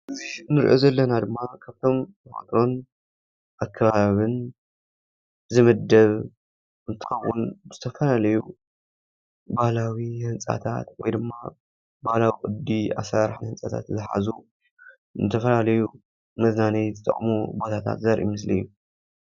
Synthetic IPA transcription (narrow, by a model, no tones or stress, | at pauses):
ʔɨzihnːɨɾʔo̞zɐlːɐnad̪ɨmːakʰaβt̪ʰo̞mmʰɐxa̰t̪ʰɾo̞n | ʔakʰːɐβaaβɨn | zɨmɨd̪ːɐβ | ʔɨnt̪ʰɨ̥xɐwːʊnz̥ɨt̪ʰɐfɐlalɐju | bahlawihɨnsʼa̰t̪ʰa̰t̪wɔjd̪ɨmːa | bahlawikʼɨd̪ia̰sɾaɾħnhɨnsʼat̪ʰa̰t̪zɨħa̰zu | nɨt̪ʰɐfɐlalɐju | mɐznanɐjzɨt̪ʰʼɐ̰χʼmubo̞t̪ʰat̪ʰa̰t̪zɐɾʔḭmɨs̬lḭjːu